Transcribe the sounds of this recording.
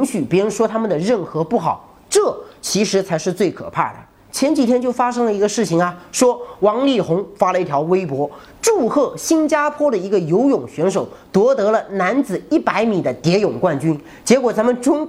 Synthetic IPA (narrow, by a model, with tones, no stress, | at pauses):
ŋɕy˨˩pi˧˥ɻʂwɔ˥t̪ʰa˥mə˨nd̪ə˩ɻə˥˩nxɤ˧˥pu˥˩xɑ˨˩˦ʊ | ʈ͡ʂɤ˥˩t͡ɕʰi˧˥ʂɻ̩˧˥t͡sʰa˧˥ɪʂɻ̩˥˧t͡swe˥˩ɪkʰɤ̰˨˩pʰa̰˥˩d̪ə̰˩ | t͡ɕʰjɛ˧˥nt͡ɕi˨˩t̪ʰjɛ˥nt͡ɕjo˥˩ʊfa˥ʂɤ˥ŋlə˨i˧˥ɡə˧ʂɻ̩˥˩t͡ɕʰi˨˩ŋɐ˩ʂwɔ˥wɑ˧˥ŋli˥˩xʊ˧˥ŋfa˥lə˨˧i˥˩t̪ʰjɑ˧˥ʊwe˥ɪpwɔ˥ | ʈ͡ʂu˥˧xɤ˥˩ɕi˥nt͡ɕja˥pʰwɔ˥ɾə˨i˧˥ɡə˧jo˧˥ʊjʊ˨˩ŋɕɥɛ˧˥nʂ̬o˨˩˦ʊt̪wɔ˧˥t̪ɤ˧˥lə˧na˧˥nt͡sɹ̩˨˩i˥˩pa˧˥ɪmi˨˩d̪ə˦t̪jɛ˧˥jʊ˨˩ŋkwa˥˩nt͡ɕy˥n | t͡ɕjɛ˧˥kwɔ˨˩t͡sa˧˥mə˨nʈ͡ʂʊ˥ŋ